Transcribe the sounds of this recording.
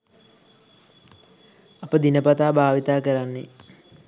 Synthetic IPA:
apəd̪inəpat̪aːbʱaːʋit̪aːkəɾanːe

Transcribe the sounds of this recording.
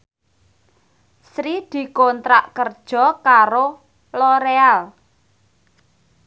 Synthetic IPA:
sɾid̪̥i̤kont̪ɾaʔkərd̥ʒ̥ɔ̤kaɾo | lɔɾeal

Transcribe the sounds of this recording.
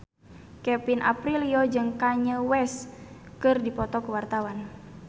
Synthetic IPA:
kɛpinʔa̰pɾiliod͡ʒɨŋkaɲəwɛskɨrdipɔt̪ɔkəwart̪awan

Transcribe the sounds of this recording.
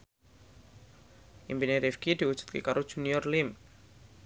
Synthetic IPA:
ʔimpineɾifkid̪̥iud̥ʒ̥u̥t̪̚kekaɾod̥ʒ̥ṳnijɔrlɪm

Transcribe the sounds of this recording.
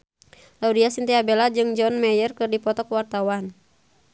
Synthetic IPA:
laudiasint̪iabɛlad͡ʒɨŋd͡ʒɔnmɛjərkɨrdipɔt̪ɔkwart̪awan

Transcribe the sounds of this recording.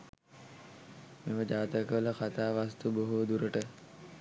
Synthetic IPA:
meməd͡ʒaːt̪əkəələxat̪aːʋast̪uboɦud̪uɾəʈə

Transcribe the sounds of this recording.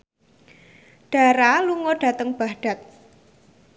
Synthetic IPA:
ɖ̥a̤ɾaluŋɔɖ̥ä̤t̪əŋb̥ahɖ̥a̤t̪̚

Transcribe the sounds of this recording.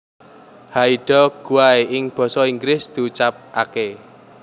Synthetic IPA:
haiɖ̥ɔ̤ɡ̥ṳwaeʔɪŋb̥ɔ̤sɔiŋɡɾɪsd̪̥iut͡ʃap̚ake

